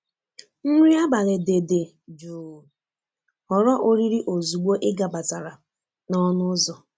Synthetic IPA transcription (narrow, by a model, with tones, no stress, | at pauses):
ŋ̩˦ɾi˦a˦ba˨le˨de˨de˨ | d͡ʒuː˨ | ɔ˨ɾɔ˦ʔo˦ɾi˦ɾi˦ʔo˨zu˨ɡ͡bo˦ʔɪ˦ɡa˨ba˨ta˨ɾa˨ | nɔ˦nʊ˦zɔ˨